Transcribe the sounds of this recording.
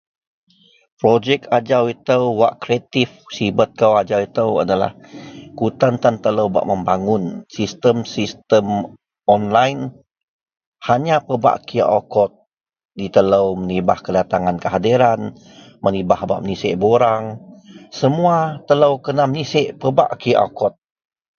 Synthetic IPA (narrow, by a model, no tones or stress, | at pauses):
pɾod͡ʒɛkad͡ʒawit̪əwwa̰ʔkɾiat̪ifsibət̪̚kəwad͡ʒawit̪əwa̰dala̰hkut̪ant̪ant̪ələwba̰ʔməmbaŋʊnsist̪əmsist̪əm | ɔnlajn | haɲapəba̰ʔkiʔa̰kɔt̪̚ | dit̪ələwmənibahkədat̪aŋankəɦadiɾan | mənibahba̰ʔmnisɛ̰ʔboɾaŋsəmuat̪ələwkənamniseʔpəba̰ʔkiʔa̰kɔt̪̚